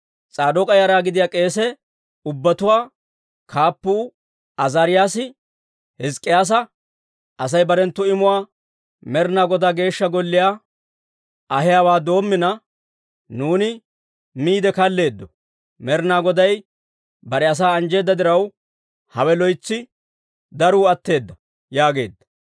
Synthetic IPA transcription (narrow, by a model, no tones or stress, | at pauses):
t͡sʼaːd̪ɔkʼɐjaːɾaːɡɪd̪ɪjaːkʼe̞ːs̬ɛ | ʊbːɐt̪ʊwaː | kʰaːpːuː | ʔɐzaːɾɪjaːsɪ | hɪskʼːɪjaːs̬ɐ | ʔɐs̬ɐjbɐɾɛnt̪ːʊɪmʊwaː | mɛɾnaːɡɔd̪aɡe̞ːʃːɐɡɔlːɪjaː | ʔɐɦɪjaːwaːd̪o̞ːmːɪnɐ | nuːnɪ | miːd̪ɛkɐlːe̞ːd̪ːɔ | mɛɾnaːɡɔd̪ɐj | bɐɾɛɐs̬aːɐnd͡ʒe̞ːd̪ːɐd̪ɪɾɐw | hɐwɛlɔjt͡sːɪ | d̪ɐɾuːɐt̪ːe̞ːd̪ːɐ | jaːɡe̞ːd̪ːɐ